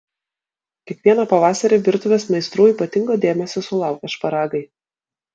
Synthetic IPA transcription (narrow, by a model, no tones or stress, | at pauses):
kʲɛkʋʲiɛnɐpɐʋɑːsɐɾʲeːʋʲɪɾt̪ʊʋʲeːsmɐɪst̪ɾuːiːˑpɐt̪ʲɪŋɡoːd̪ʲeːmʲɛsʲosʊlˠɑˑʊkʲɛʃpɐɾɑːɡɐɪ